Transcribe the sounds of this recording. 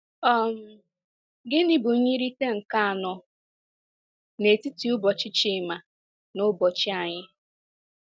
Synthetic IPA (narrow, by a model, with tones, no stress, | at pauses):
ɔ˦m̩˨ | ɡɪ˦ni˦bu˨˦ɲi˦ɾi˦te˦ŋ̩˨ka˦a˨nɔ˨ | ne˨ti˦ti˨ʊ˦bɔ˨t͡ʃɪ˦t͡ʃɪ˦˨ma˨ | nʊ˦bɔ˨t͡ʃɪ˦a˨ɲɪ˦